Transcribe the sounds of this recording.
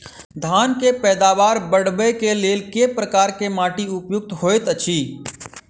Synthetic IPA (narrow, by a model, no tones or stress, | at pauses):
d̪ʱaːnkepɛːd̪aːʋaːɾbəɽ̤bekeleːlkepɾəkaːɾkemaːʈiʊpjʊk̚t̪ɦoːet̪ət͡ʃʰiː